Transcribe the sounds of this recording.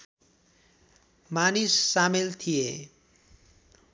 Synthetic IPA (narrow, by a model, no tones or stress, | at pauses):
manisːamelt̪ʰije